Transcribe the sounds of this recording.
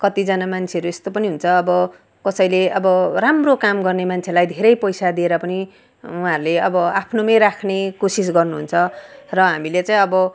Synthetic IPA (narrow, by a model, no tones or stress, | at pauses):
kʌt̪id͡zʌnamant͡sʰeʌɾuest̪opʌniɦunt͡sʰʌːbʌ | kʌsʌjleʔʌbʌramrokamɡʌrnemant͡sʰelajd̪ʱeɾʌjpʌjsad̪ieɾʌpʌni | uɦãɾuleʌbʌapʰnomʌjɾakʰnekosis̬ɡʌrnuɦunt͡sʰʌrʌɦamilet͡saĩʌbʌ